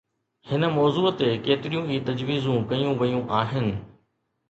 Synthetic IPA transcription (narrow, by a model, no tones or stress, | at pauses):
hɪnə̆mɔːzuːt̪ekeːt̪ɪɾijũiːt̪ɐd͡ʑʋiːzũkɐjũʋɐjũʔaːɦɪnɪ̆